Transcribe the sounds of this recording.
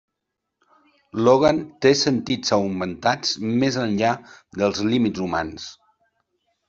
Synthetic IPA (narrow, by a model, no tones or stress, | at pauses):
loɣant̪esənt̪izəwmənt̪ad͡zmezənʎad̪əlˠzlimid͡zzuma̰ns